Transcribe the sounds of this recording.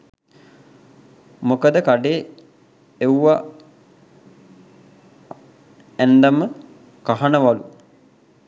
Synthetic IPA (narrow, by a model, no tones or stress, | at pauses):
mokəd̪əkaɖeː | ewʋa | ɛnd̪amə | kaɦanəʋalu